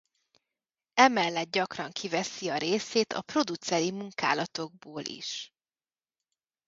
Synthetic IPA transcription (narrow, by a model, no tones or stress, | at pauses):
ɛmɛlːɛt̪̚ɟɒkrɒŋkʰivɛsiɒɾeːseːt̪ʰɒ̰pro̞d̪ut̪sɛɾimuŋkaːlɒt̪o̞ɡ̚boːlʔḭʃ